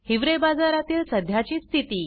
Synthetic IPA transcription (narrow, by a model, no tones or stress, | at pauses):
hiʋɾebad͡zaɾat̪iːlsəd̪ʱjat͡ɕiːst̪ʰit̪iː